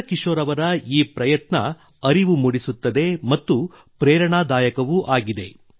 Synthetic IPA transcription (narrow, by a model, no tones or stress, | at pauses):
kiʂoːɾɐʋɐɾɐiːpɾɐjɐt̪nɐ | ɐɾiʋumuɽisut̪ːɐd̪e̞mɐt̪ːu | pɾeːɾɐɳaːd̪aːjɐkɐʋuʔaːɡid̪e̞